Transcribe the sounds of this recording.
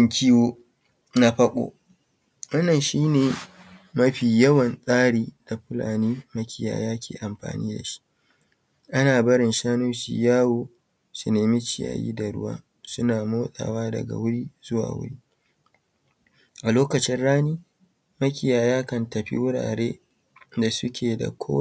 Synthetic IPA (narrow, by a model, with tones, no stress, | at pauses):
ɪ˦˨ŋkʰʲi˦woː˦ | na˦ɸɐ˦kʷʼo̰˦ | wɐ˦nːɐ˨nʃiː˦neː˨ | mɐ˦ɸiː˨jɐ˦wɐ˨nsʼaː˦ɽiː˦da˨ɸɪ˦la̰ː˨niː˦mɐ˦kʲɪ˨ja̰ː˨jaː˦kʲḛː˨ʔa˨mɸa̰ː˨niː˦da̰˨ʃi̥˦ʔ | ʔa˦naː˨bɐ˦ɽɪ˨nʃaː˦noː˦ʃḭː˨jaː˦woː˨ | su˨neː˨mɪ˦t͡ʃɪ˨ja̰ː˨jḭː˦da˨ɽʊ̰˦wa̰ː˦ | sʊ˦naː˨moː˦ɗʼa̰ː˨waː˦dɐ̰˨ɡa̰˨wʊ˦ɽiː˦z̥ʊ˦wa̰ː˨wʊ̰˦ɽiː˦ | ʔa˨loː˦kɐ˨t͡ʃɪ˦nɽaː˦niː˦ | mɐ˦kʲɪ˦jaː˨jaː˦kɐ˨ntɐ˨ɸḭ˦wʊ˦ɽa̰ː˨ɽeː˦ | da˨sʊ˦kʲʰeː˨da̰˨kʷʰoː˦